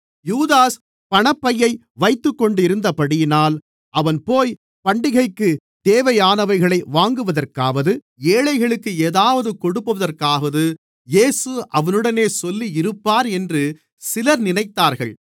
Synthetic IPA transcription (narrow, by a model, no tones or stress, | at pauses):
juːðaːs | pɐɳɐpːɐjːɐɪ | ʋɐɪt̪ːɯkːɔɳɖɪɾɯnd̪ɐpɐɽɪjɪnaːl | ʔɐʋɐnpoːj | pɐɳɖɪɣɐɪkːɯ | d̪̥eːʋɐjaːnɐʋɐɪɣɐɭɐɪʋaːŋɡɯʋɐðɐrkaːʋɐðɯ | eːɭɐɪɣɐɭɯkːɯeːðaːʋɐðɯkɔɽɯpːɯʋɐðɐrkaːɣɐðɯ | jeːsɯʔɐʋɐnɯɽɐneːsɔlːiɪɾɯpːaːɾɛndrɯ | sɪlɐɾnɪnɐɪt̪ːaːɾɣɐ̰ɭ